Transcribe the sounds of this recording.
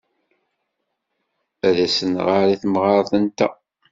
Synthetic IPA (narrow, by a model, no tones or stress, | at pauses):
æðæsənʁaɾiθmʁɑɾˤθənt̪æ̰